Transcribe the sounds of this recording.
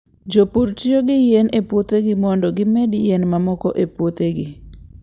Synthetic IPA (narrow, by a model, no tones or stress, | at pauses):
d͡ʒopuɾt͡ʃɪoɡɪjenepwot̪eɡɪmɔndɔɡɪmedjenmamɔkɔʔepwot̪eɡɪ